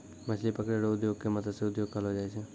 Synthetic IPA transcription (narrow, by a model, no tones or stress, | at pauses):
mət͡ʃʰlipəkɽeɾoʊd̪joːɡ̚kemɐt̪ʰəd̪seʊd̪joːɡ̚kəlɦod͡ʒaːet͡ʃʰe